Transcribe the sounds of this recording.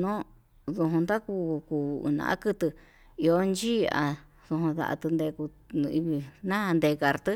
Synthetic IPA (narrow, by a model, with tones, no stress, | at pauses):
nõ˦ | ðo˧ɦõ˧nd̪a˦ku˧kuː˧˨˧ɨ̰̃˧nã̰˨ʔa̰˦kɨ˧t̪ɨ˧ | i˧o˧˦nd͡ʒiː˦a̰˧ | ðo˧ɦõ˧ða̰˧ʔa̰˧t̪ɨ˧nd̪e˧ku˧ | i˧βi˧nã˦ã˧nd̪e˧ka˧ɾt̪ɨ˦